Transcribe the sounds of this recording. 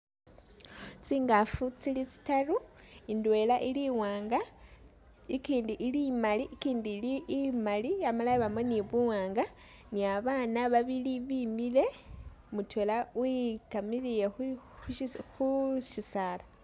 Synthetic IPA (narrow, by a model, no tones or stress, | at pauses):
t͡siŋɡafut͡silit͡si̥taɾuindwe̞laʔiliwaːŋɡa | ikiːndiʔːlimaliʔkiːndilimaliamalaiβameniβuwaːŋɡa | niaβanaβaβiliβimile̞ | mutwelawikamilije | xuʃisaːla